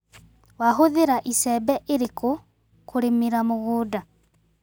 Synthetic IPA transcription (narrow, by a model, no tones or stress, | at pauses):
waxuðiɾaʔisebeʔiɾiku | kuɾimiɾamuɣuːda